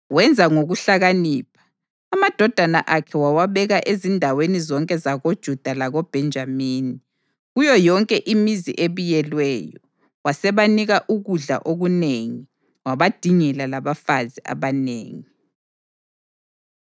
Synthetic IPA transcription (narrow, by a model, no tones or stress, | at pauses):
wɛnd͡zʱaŋoɣuɬaɣaniːp̚ʰḁ | amad̥ʱɔd̥ʱanaʔakʰɛwawaβɛɣaʔezindʱawenizɔŋkʼɛzaɣod̥ʒ̥ʱud̥ʱalaɣɔb̥ʱɛnd͡ʒʱamiːni | ɣujɔjɔŋkʼɛʔimizḭʔeβujɛlwɛjɔ | wasɛβaniɣaʔuɣuɮa̰ʔoɣuneŋi | waβad̥ʱiŋɛlalaβafaziʔa̰βanḛːŋi